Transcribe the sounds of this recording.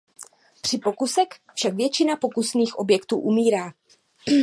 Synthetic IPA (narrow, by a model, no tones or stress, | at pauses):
pr̝̥ɪpo̞kusɛkfʃakvjɛt͡ʃɪnapo̞kusniːxʔo̞bjɛkt̪ṵːʔumiːɾaː